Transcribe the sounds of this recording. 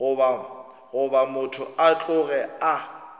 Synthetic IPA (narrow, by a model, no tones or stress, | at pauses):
ʊba | ɣʊbamʊtʰʊat͡ɬʼʊɣɛa